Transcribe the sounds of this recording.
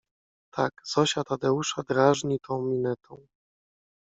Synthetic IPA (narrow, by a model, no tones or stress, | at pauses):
t̪ʰakz̥ɔɕat̪ad̪ɛuʂad̪ɾaʐɲit̪ʰɔ̃w̃mʲinɛt̪ʰɔ̃w̃